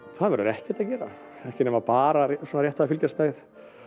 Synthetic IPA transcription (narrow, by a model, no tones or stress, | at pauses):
θaðvɛɾðʏɾɛhcɛt̪aðcɛːɾa̰ | ɛhcɪnɛmvapaːɾasɔːnɾjɛht̪aðːfilcɛsmɛɣθ